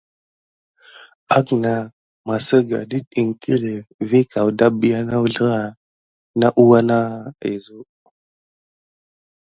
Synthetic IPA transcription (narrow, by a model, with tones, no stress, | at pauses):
a˦kna˨ | ma˨sə˦ɡa̰˨di˦i˨ŋ˨tʰi˦le˨vi˦ka˨wda˦bi˨ja˦na˦wu˦ɮə˦ɾa˨ | na˦ʔu˦wa˦na˦˨ḛ˨zu˦